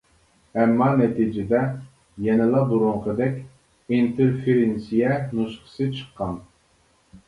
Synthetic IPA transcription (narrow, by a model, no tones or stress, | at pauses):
ɛmːɑnɛt̪ʰid͡ʒɪd̪ɛ | jɛnɪlˠɑbuɾuɴqʰəd̪ɛkʲ | int̪ʰeɾfeɾensijɛnuʃqə̥sɨt͡ʃʰə̥qʰːɑn